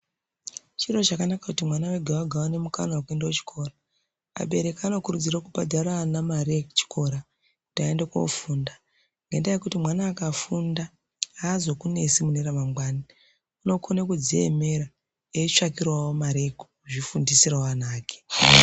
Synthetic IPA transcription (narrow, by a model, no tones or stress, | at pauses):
t͡ʃiro̞ʐakanakakutimwanaweɡʱawaɡʱawane̞muka̰nawak̬ue̞ndawet͡ʃi̥kʰo̞ːra | a̰ɓe̞ɾe̞kaːno̞kuɾud͡zirakubadʱaɾanamaɾeku̥t͡ʃi̥kʰo̞ɾa | ku̥taendekoo̰fuːnda | ŋɡe̞ndajekutimwanaːkafunda | aːzo̞kune̞simuneɾamamɡwaːni | uno̞kʰonekud͡ziḛmeɾa | eiʂakirwawomaɾe̞ku̥uʐifundisiraanaːke̥